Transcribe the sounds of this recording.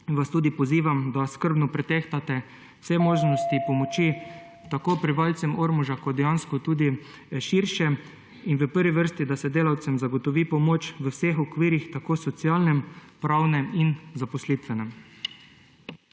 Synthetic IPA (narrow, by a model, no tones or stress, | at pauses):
ʋast̪uːd̪ipɔziːʋamd̪askəɾbnɔpɾɛt̪ɛxt̪at̪ɛ̥ | sɛmoːʒnɔst̪ipɔmɔt͡ʃi | t̪akoːpɾɛʋalsɛmoːɾmuʒakɔd̪ɛjanskɔt̪uːd̪i | ʃiːɾʃɛ | inʋəpəɾʋiʋəɾst̪id̪asɛd̪eːlawt̪sɛmzaɡɔt̪ɔʋiːpɔmoːt͡ʃʋəwsexɔkʋiːɾixt̪akoːsɔt̪siaːlnɛmpɾawnɛminzapɔslit̪ʋɛnɛm